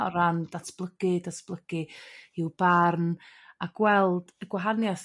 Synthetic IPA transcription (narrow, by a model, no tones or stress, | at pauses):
ɔɾandatʰb̥lˠəɡ̥ɪdatʰb̥lˠəɡ̥ɪɪwb̥arnaɡwɛlˠd̥əɡwaɦanjas